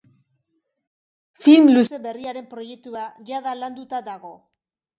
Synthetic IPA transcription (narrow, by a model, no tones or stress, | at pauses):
filmluse̞βe̞riaɾe̞mpɾo̞je̞k̚t̪uaʝaðaland̪ut̪ad̪aɣo̞